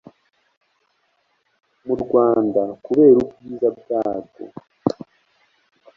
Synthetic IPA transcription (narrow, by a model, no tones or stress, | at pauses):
muɾɡwaːndakuβe̞ːɾubɡiːzab̚jaːɡo̰